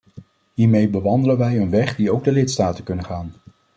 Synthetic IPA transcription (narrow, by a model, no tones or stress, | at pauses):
ɦiːɹmejbəʋɑndələnʋɛjənʋɛχdiowɡ̚dəlɪtstaːtəkɵnənχaːn